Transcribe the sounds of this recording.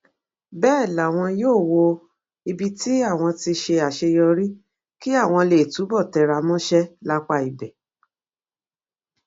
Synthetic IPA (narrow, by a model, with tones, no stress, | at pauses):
bɛː˦˨la˨w̃ɔ̃˧joː˦˨wo˧ | i˧bi˧ti˦a˦˨w̃ɔ̃˧ti˧ʃe˧a˨ʃe˧jɔ˧ɾĩ˦ | ki˦a˦˨w̃ɔ̃˧le˨tu˨˦bɔ˦˨tɛ˨ɾa˧mɔ̃˦ʃɛ˦la˦k͡pa˦˧i˨bɛ˨